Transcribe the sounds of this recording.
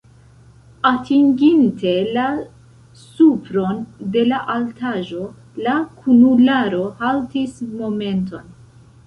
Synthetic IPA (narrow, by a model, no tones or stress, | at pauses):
atʰiŋɡintʰe̞la | supɾo̞nde̞laʔaltaʒo̞ | lakʰunulaɾo̞haltismo̞me̞nto̞n